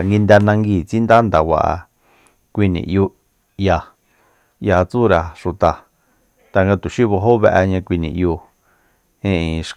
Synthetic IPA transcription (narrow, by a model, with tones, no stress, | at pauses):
ŋɡi˧nd̪a˧nã˧ŋɡiː˧˨t͡si˦nd̪a˦nd̪a˨wa̰˨ʔa̰˨ | kʷi˧nḭ̃˨ʔju˧ | ja˧ | ja˧t͡su˦ɾa˨ʂu˨t̪a˨ | t̪a˨ŋɡa˧t̪u˨ʃi˦βo˧ɦo˦βe˧ʔa˧ɲã˧kʷi˧nĩ˨ʔju˧ | ẽ˦˧ĩ˨˧ʃ